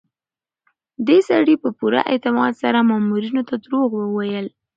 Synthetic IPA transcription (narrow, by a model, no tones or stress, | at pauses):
d̪esaɽipəpuɾa̰ʔɪt̪ɪmɑd̪saɾamɑmuɾinot̪ad̪ɾoɣwəwajəl